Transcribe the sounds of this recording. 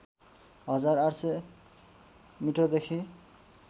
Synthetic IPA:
ɦʌd͡zaraɽse | miʈʌd̪ekʰi

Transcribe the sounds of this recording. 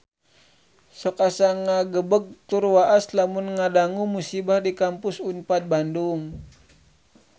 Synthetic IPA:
sɔkasaŋaɡəbəɡ̚t̪urwaʔaslamunŋadaŋumusibahdikampʊsunpat̪̚banduŋ

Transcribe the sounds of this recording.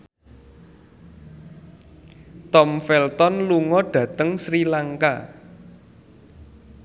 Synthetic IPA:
t̪ɔmfɛlt̪ɔnluŋɔɖ̥ä̤t̪əŋsɾilaŋka

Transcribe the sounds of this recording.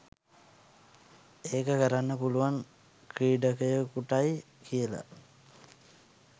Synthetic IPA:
eːkəkəɾanːəpuluʋaŋ | kɾiːɖəkəjəkuʈaj | kijəla̰

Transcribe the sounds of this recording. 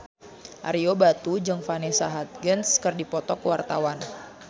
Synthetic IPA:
ʔa̰ɾiobat̪ud͡ʒɨŋfanɛsaɦat̪̚ɡənskɨrdipɔt̪ɔkəwart̪awan

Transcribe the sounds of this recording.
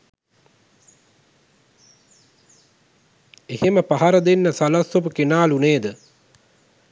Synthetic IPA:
eheməpaɦaɾəd̪enːəsalasopukenaːluneːd̪ə

